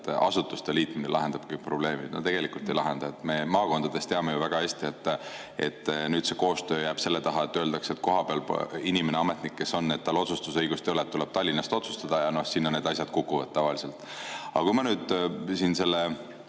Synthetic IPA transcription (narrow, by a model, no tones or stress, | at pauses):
t̪ɑ̰sut̪ːˑust̪eliːt̪minelɑ̰ɦe̞nd̪ɑb̥kɯjk̚pro̞ble̞ːmid̪no̰t̪e̞ɡ̥e̞likːˑult̪ːˑe̞jlɑɦe̞nd̪ɑet̪ːˑme̞mɑːko̞nd̪ɑd̪̥e̞st̪eɑme̞juvæɡ̥ɑeːsʲt̪iet̪ː | e̞̰t̪ːˑnyːd̪̥se̞ko̞ːst̪ø̞ːjæːb̥se̞lːe̞t̪ɑɦɑet̪ːøːld̪̥ɑkse̞t̪ko̞ɦɑpeɑlpinʲimeneɑme̞t̪nikːe̞so̞nːe̞t̪ːɑlo̞sust̪usɤjɡ̥ust̪ejolet̪ːuleb̥t̪ɑlʲːinɑst̪o̞t̪su̥st̪ɑd̪̥ɑjɑno̞hsinːɑne̞ːd̪ɑsʲjɑd̥̪̚kukːuvɑd̪̥̚t̪ɑvɑlise̞lt̪ːˑ | ɑ̰kujmɑnyːd̪̥sinse̞lːe